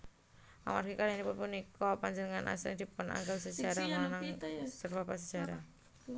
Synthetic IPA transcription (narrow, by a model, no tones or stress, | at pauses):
ʔa̰ma̰rɡikalnipʊnpunikɔpaɲd͡ʒənəŋanʔa̰sɾɪd̪̥ipuna̰ŋɡawsəd͡ʒaɾamanaŋsərbapas̬əd͡ʒaɾa